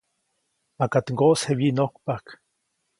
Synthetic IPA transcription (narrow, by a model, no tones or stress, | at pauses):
makat̪ŋɡoʔshewinokpak